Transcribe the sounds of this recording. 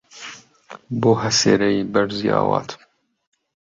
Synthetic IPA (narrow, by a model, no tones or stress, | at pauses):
boːɦɐsḛːɾɛjibɐɾzia̰ːwɑːt̪ʰ